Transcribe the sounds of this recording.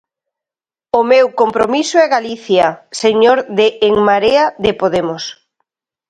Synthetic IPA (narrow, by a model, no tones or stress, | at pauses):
omewkompɾomisʊɛɣaliθjɐseɲoɾðɪʔːŋmaɾeaðɪpoðemʊs